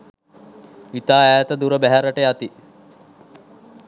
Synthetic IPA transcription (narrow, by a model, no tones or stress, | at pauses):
it̪aːæːt̪əd̪uɾəbæɦæɾəʈəjat̪i